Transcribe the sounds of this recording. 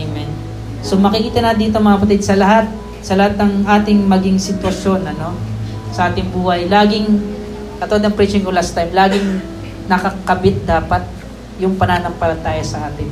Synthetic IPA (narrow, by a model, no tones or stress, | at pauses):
ŋmɛn | so̞mɐkɪkiːt̪ɐnaːd̪ɪnt̪oŋmɐŋɐɐpɐt̪ɪd̪̚sɐlɐɦat̪̚ | sɐlɐhat̪̚nɐŋʔaːt̪ɪŋmɐɡɪŋsɪt̪wɐʃjo̞nɐno̞ | sɐʔaːt̪ɪŋbuːhɐjlaːɡɪŋ | kɐt̪ood̪ɐŋpɾit͡ʃɪŋɡolast̪ajmlaːɡɪŋ | nɐkɐkɐbɪt̪̚d̪aːpɐt̪̚ | jʊŋpɐnaːnɐŋpɐlɐt̪aːjɐsɐʔaːt̪ɪŋ